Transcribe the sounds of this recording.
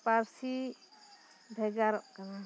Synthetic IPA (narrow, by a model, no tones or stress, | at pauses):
paɾsi | bʱɛɡaɾɔʔkana